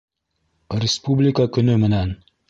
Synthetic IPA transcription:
ɾʲɪspublʲikakɵ̆nɵmɘ̆næn

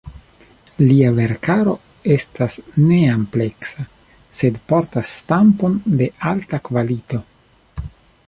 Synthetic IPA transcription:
liave̞ɾkaɾo̞ | e̞stasne̞ample̞ksa | se̞dpo̞ɾtasːtampo̞nde̞altakvalito̞

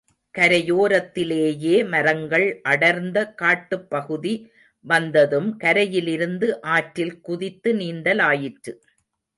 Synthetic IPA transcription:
kɐɾɐjoːɾɐt̪ːɪleːjeːmɐɾɐŋɡɐɭʔɐɽɐɾnd̪ɐkaːʈːɯpːɐɣɯði | ʋɐnd̪ɐðɯmkɐɾɐjɪlɪɾɯnd̪ɯʔaːʈɾɪlkʊðɪt̪ːɯniːnd̪ɐlaːjɪʈrɯ

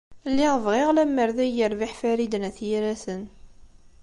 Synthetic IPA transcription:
lːɪʁvʁɪʁlæmːəɾðæjəɾvɪħfæɾid̪ənæθjiɾæsən

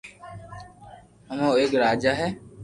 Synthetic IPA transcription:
həmõːeːkɾaːd͡ʒaːɦɛː

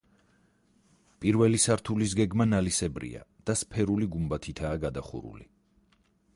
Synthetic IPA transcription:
pʼiɾvɛlisaɾt̪ʰulis̬ɡɛɡmanalisɛbɾḭa̰d̪̥aspʰɛɾuliɡumbat̪ʰit̪ʰaːɡad̪aχṵɾṵlḭ

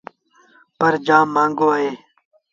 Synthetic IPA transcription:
pəɾd͡ʒaːmːãːŋɡoːaːɦeː

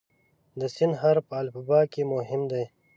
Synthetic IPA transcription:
d̪əsɪnɦaɾpəːlbabɑːkemoɦɪmd̪aj

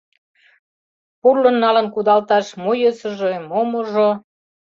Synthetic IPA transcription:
purlə̆nːɑlənkud̪ɑlt̪ɑʃmojəsə̆ʒemomoʒo

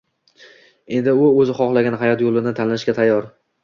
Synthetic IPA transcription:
e̞nd̪ɪʊɵzɪχɒχlˠaɡʲanɦajɒt̪jolˠɪnɪt̪ʰanɪlɪʃkʲat̪ʰajːɒɾ

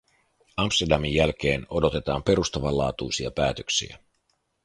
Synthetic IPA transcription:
ɑmpst̪erdɑmijːælk̟e̞ːno̞do̞t̪e̞t̪ɑːmpe̞ɾust̪ɑʋɑlːɑːt̪ujsiɑpæːt̪øksḭæ̰

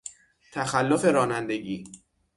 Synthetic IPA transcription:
t̪ʰæxælːofe̞ɾɒːnænd̪e̞ɟiː

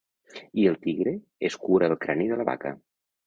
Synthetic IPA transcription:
iəlˠt̪iɣɾe | eskuɾəːlˠkɾaneðələβa̰kə̰

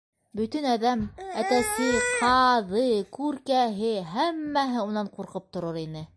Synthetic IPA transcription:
bɵ̆t̪ɵnæðæmæt̪æsɘqʰɑðɤkʉɾkæɦɘɦæmːæɦɘunɑɴquɾqɤp̚t̪ŏɾɤɾinɘ

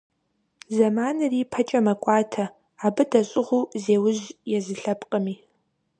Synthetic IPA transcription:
zɐmaːnɨriːpʰɐt͡ʃʼɐmɐkʷʼɑːtʰɐ | aːbɨdɐɕʼɪʁuːzeːwʊʑjɛzɨɬɐpʼqʼəmiː

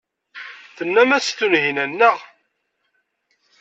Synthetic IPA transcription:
θənːæmæst̪ːunɦinænːəʁ

